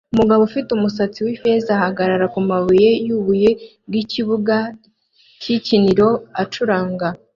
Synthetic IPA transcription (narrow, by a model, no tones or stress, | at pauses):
umuɡaβofitumusat͡siwife̞zahaɡaɾaɾakumaβuje̞juːβuje̞ | ɡiciβuɡa | ciciniɾo̞at͡ʃuɾaːŋɡa